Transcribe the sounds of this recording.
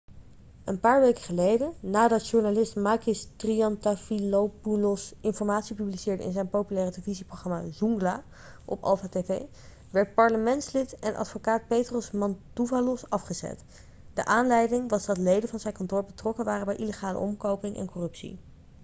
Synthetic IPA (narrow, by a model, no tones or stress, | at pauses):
ənpaːɹʋejkəχəlejdənaːdɑtʃuɹnalɪstmaːkɪstriɑntafilowpulɔsɪnfɔɹmaːtsipyblisɪːɹdəɪ̰nzɛjnpowpylɛːrədɪləviziproχrɑma̰zuŋɡlaː | ʔɔ̰pɑ̰lˠfaːtevḛj | ʋɛɹt̚pɑɹləmɛntslɪtɛnʔɑ̰tfokaːt̚pejtrɔsmɑntuvalɔsɑfχəzɛ̰t | d̥əʔaːnlɛjdɪŋʋɑzdɑtlejdənvɑnzɛjnkɑntʊːɹbətrɔkənʋaːrəbɛjʔiləχaːlə̰ʔɔmkowpɪŋʔɛ̰nkɔrɵpsḭ